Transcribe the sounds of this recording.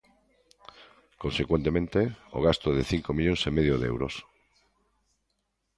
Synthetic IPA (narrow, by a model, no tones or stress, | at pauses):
konsekwent̪emẽnt̪eo̰ɣast̪oðeθiŋkomiʎõŋsemeð̞joðɛ̰wɾo̰s